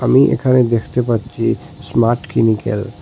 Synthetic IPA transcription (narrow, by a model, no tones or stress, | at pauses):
amiʔḛkʰaned̪ekʰt̪epatːɕʰi | smaɾʈkimikḛl